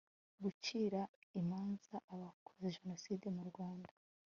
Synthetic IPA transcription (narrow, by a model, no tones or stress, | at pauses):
ɡuciːɾaimaːnz̥aʔːβakʰo̥zeʒe̞no̞side̞muɾɡwaːndḁ